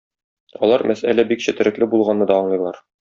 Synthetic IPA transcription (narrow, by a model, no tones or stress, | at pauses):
ɒ̰lˠɑɾmʔæsælæbikɕɘ̆t̪ɘ̆ɾɘ̆klɘbulˠʁɑnːɤd̪ɒɒɴlˠɤ̆jlˠɑɾ